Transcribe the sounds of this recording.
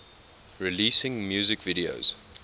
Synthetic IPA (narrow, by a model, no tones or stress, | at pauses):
ɹiliːsɪ̃ŋmjuːzɪkviɾio̰z̥